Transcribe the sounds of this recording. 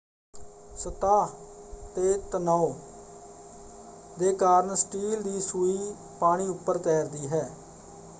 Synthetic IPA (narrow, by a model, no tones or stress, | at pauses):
sət̪aːt̪eːt̪ənɔoː | d̪eːkaːɾəɳsʈiːld̪iːsuiː | paːɽ̃iːʊpːəɾt̪ɛːɾd̪iːɦɛː